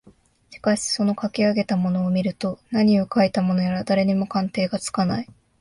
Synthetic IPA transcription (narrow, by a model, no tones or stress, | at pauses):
ɕi̥kaɕi̥so̞no̞kakʲiaɡe̞t̪amo̞no̞ːmʲiɾɯ̟t̪o̞naɲ̟io̞kait̪amo̞no̞jaɾad̪aɾe̞ɲ̟imo̞kãnt̪e̞ːɡat͡sɨ̥kanai